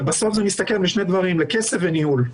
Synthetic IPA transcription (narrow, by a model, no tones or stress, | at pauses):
baso̞fzenist̪akelbiʃned̪vaʁimlekesefvenihul